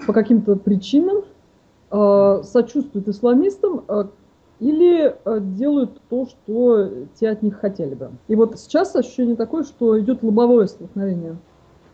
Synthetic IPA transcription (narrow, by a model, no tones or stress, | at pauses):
pəkɐkʲimt̪əpɾʲɪt͡ɕinəm | əsɐt͡ɕust̪vʊjɪt̪ɨslˠɐmʲist̪əmə | ilʲɪədʲe̞lˠəjʊt̪ːo̞ʂt̪o̞tʲeɐt̪nʲixːɐtʲelʲɪbɨ̰ivo̞t̪sʲɪ̥t͡ɕasɐɕʏ̥ɕːenʲɪjət̪ɐko̞jəʂt̪o̞ɪdʲo̞t̪lˠɨbɐvo̞jəst̪əlˠknɐvʲenʲɪjə